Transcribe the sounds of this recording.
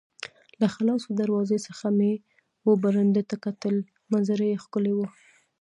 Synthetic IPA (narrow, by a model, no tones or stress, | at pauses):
laxalɑsod̪aɾwɑzesəxame | wobaɾand̪et̪akat̪əl | manzaɾejexkʊlewə